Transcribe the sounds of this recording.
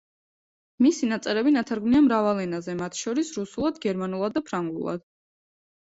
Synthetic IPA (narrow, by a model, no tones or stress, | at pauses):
misinat̪sʼɛɾɛbinat̪ʰaɾɡmniamɾavalɛnazɛmat̪ʰʃɔɾisɾusulˠad̪ɡɛɾmanulˠad̪̚ːapʰɾaŋɡlṵlˠa̰d̪̥